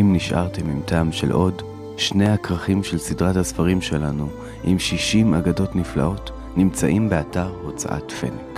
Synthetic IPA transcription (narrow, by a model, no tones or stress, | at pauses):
imniʃʔa̰ʁte̞mimtaːmʃe̞̰lʔo̞d | ʃne̞jakʁaχimʃelsidʁathasfaʁimʃe̞lanu | ʔimʃiʃimaɡado̞tnifla̰o̞t | nimt͡sa̰ʔimbe̞ataʁho̞t͡sa̰ʔa̰tfḛnk